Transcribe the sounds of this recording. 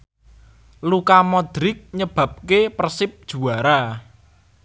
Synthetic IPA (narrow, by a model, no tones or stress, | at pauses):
lukamɔd̪̥ɾɪk̚ɲəb̥a̤p̚kepərsɪp̚d̥ʒ̥ṳaɾa